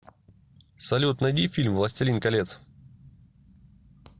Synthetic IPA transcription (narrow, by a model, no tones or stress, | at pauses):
sɐlʲut̪nɐjd̪ʲifʲilʲmvlˠɐsʲtʲɪlʲinkɐlʲet̪s